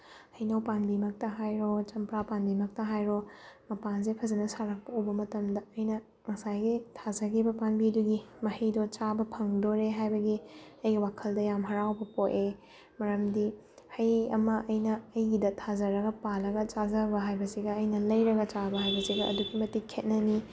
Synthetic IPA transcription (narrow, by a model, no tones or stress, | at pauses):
hɐjnɐwpanbimɐk̚tɐɦajɾot͡ʃɐmpɾapanbimɐk̚tɐɦajɾomɐpanzepʰɐzɐnɐsaɾɐk̚pɐubɐmɐtɐmdɐːjnɐ | mɐsajɡitʰazɐɡibɐpanbiduɡimɐhijdot͡ʃabɐpʰɐŋdoɾeɦajbɐɡiɐjɡiwakʰɐldɐjamɦɐɾawbɐpoʔe | mɐɾɐmdi | hɐjɐmɐʔɐjnɐːjɡidɐtʰazɐɾɐɡɐpalɐɡɐt͡ʃazɐbɐɦajbɐsiɡɐːjnɐlɐjɾɐɡɐt͡ʃabɐɦajbɐsiɡɐʔɐ̰duɡimɐtikʰet̚nɐni